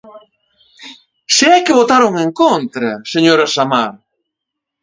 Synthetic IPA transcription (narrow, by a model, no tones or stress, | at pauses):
seɛkɪβot̪aɾoŋeŋkont̪ɾɐseɲoɾɐsamaɾ